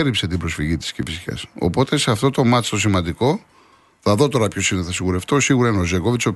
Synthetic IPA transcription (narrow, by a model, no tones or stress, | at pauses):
ɾipse̞t̪ibɾo̞sfiʝit̪i̥scefisçɐ̰so̰po̞t̪e̞seɐft̪o̞t̪o̞mɐt̪ist̪o̞s̬imɐnd̪iko̞ | θɐðo̞t̪o̞ɾɐpço̞sineθɐsiɣuɾe̞ft̪o̞siɣuɾɐineozeko̞vit͡so